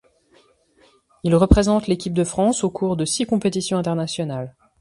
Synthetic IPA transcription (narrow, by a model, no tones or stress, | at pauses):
ilʁəpχezɑ̃t̪lekʲip̚d̪əfχɑ̃sokʰuʁd̪əsikɔ̃pet̪isjɔ̃ɛ̃t̪ɛʁnasjɔnal